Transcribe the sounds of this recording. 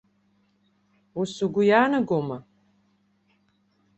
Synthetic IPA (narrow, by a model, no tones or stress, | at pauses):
usuɡʷʊjaːnɨɡʷomɐ